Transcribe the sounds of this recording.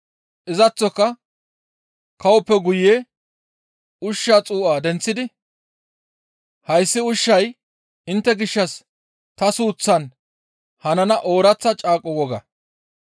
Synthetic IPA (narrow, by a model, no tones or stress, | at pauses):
ʔɪzɐt͡sːɔkːɐ | kɐwɔpːɛɡʊje | ʊʃːaːt͡sʼuːʔaːd̪ɛnt͡sːɪd̪ɪ | hɐjsːɪʊʃːɐj | ɪnt̪ːɛɡɪʃːɐs | t̪ɐsuːt͡sːɐn | hɐnɐnɐʔo̞ːɾɐt͡sːɐt͡ʃʼaːkʼːɔwɔɡɐ̰